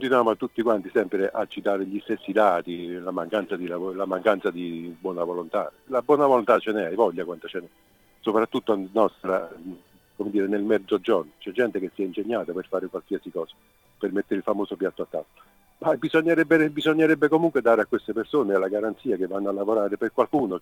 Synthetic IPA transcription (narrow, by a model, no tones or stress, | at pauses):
kont̪inwjaːmoat̪ːut̪ːikwant̪isɛmpɾeʔat͡ʃːit̪aːɾeʎist̪esːid̪aːt̪ilamaŋkant̪sad̪ilavlamaŋkant̪sad̪ibwɔːnavolont̪a̰ː | labwɔːnavolont̪at͡ʃenɛajvɔʎːakwant̪ot͡ʃenɛ | sopɾat̪ːut̪ːoanɔst̪ɾa | komed̪iːɾenelmɛd̪zod͡ʒɔrnt͡ʃɛd͡ʒːɛnt̪ekesːiɛinseɲːaːt̪aperfaːɾekwalsiasikɔːsḁ | permet̪ːeɾilfamoːsopjat̪ːoat̪ːa̰t̪ːo̥ | babizoɲːeɾɛbːeɾɛbizoɲːeɾɛbːekomuŋkwed̪aːɾeakːwest̪epersoːnealːaɡaɾant̪siːakevːanːoalːavoɾaːɾeperkwalkuːno